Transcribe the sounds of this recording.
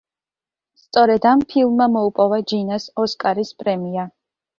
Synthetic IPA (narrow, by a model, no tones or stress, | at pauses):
st̪sʼɔɾɛd̪ampʰilˠmːamɔupʼɔvad͡ʒinasɔskʼaɾispʼɾɛmia